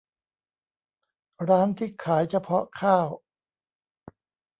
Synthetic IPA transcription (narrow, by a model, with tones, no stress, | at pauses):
ɾaː˦˥nt̪ʰiː˥˩kʰaː˩˦jt͡ɕʰa˧˩pʰɔ˦˥kʰaː˥˩w